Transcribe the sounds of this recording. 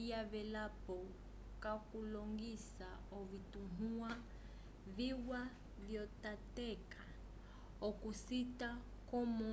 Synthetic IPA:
aβɛlapɔ | kakulɔŋɡisaɔvitunua | viwa | vjɔtatɛkʰa | ɔkusita | kɔmɔ

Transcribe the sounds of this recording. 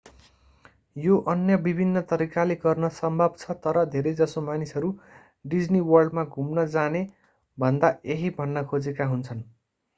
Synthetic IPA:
joʔʌnjʌbibʱinːʌt̪ʌɾikaleɡʌrnʌsʌmbʱʌbt͡sʰʌt̪ʌɾʌd̪ʱeɾejd͡zʌsomanisʌɾu | ɖid͡zniwʌrɖmaɡʱumnʌd͡zane | bʱʌnd̪aeɦibʱʌnːʌkʰod͡zekaɦunt͡sʰʌn

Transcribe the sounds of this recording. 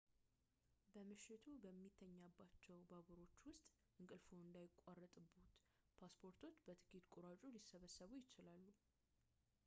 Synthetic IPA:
bəmɨʃːɪt̪ʰubəmːit̪ʰːəɲːabːat͡ʃːɛwbaɡəɾo̞t͡ʃːwʊst̪ʼ | ʔɨŋkʼɨlfoɨnd̪ajɪkʼarːət̪ʼɨbːut̪ | pʰaspʰoɾt̪ʰo̞t͡ʃːbət̪ʰɨ̥kʰit̪kʼuɾat͡ʃʼulisəβəsːəβujɪt͡ʃɪlalːu

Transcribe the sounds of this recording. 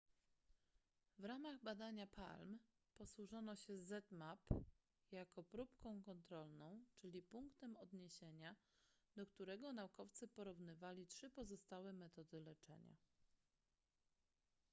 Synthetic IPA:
vɾamaɣbad̪aɲapʰa̰lm | pɔswuʐɔnɔɕɛzɛt̪map | jakɔpɾupkɔ̃w̃kɔnt̪ɾɔlnɔ̃w̃t͡ʂɘlʲipuŋkt̪ɛmɔd̪ɲeɕeɲa | d̪ɔkt̪uɾɛɡɔnaukɔft̪sɘpɔɾuvnɘvalʲitʂɘpɔzɔst̪awɛmɛt̪ɔd̪ɘlɛt͡ʂɛ̰ɲa̰

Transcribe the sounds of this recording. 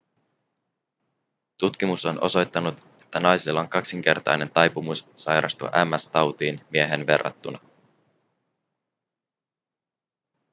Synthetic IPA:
t̪ut̪k̟imuso̞nʔo̞̰so̞jt̪ːɑnut̪ | e̞̥t̪ːænɑjsilːɑoŋkɑksiŋk̟e̞̰rt̪ɑ̰jne̞nt̪ɑjpumussɑjɾʔɑ̰st̪ṵʔæmːæst̪ɑwt̪iːnmie̞ɦe̞nʋe̞̰rːɑ̰t̪ːunɑ

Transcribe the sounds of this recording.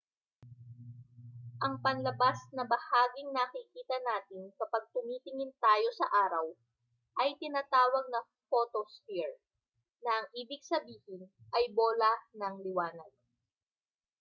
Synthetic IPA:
ʔɐŋpɐnlɐbasnɐbɐhaːɡɪŋnɐkɪkiːt̪ɐnaːt̪ɪnkɐpɐɡ̚t̪ʊmiːt̪ɪŋɪnt̪aːjo̞sɐʔaːɾɐw | ʔɐjt̪ɪnaːt̪aːwɐɡ̚nɐ | foːt̪osfiɹ | nɐʔɐŋʔiːbɪɡsɐbiːhɪnʔɐjbo̞ːlɐnɐŋlɪwaːnɐd̪̚

